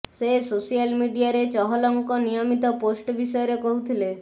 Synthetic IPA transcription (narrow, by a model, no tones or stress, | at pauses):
sesosijalmiɖijaɾet͡ʃɔɦɔlɔŋkɔnijɔmit̪ɔposʈbisɔjɔɾekɔɦut̪ʰile